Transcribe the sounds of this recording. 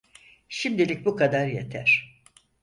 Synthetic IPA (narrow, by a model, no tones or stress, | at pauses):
ʃimd̪ilʲic̚bukʰad̪aɾjet̪ʰæɾ̥